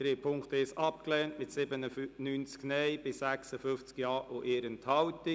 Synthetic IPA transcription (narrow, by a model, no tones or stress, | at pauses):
d̥ɾeːpʰʊŋkt̪əɪsɑpklɛːntmɪtsɪbənənyːnt͡sknɛjbɪsæksəfʏnft͡skjɑːʔoʔeːɾənthɑwtɪ